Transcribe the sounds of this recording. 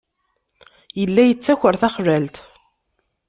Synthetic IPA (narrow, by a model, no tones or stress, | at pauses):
jəlːæjət͡sːæçəɾθæχlælt̪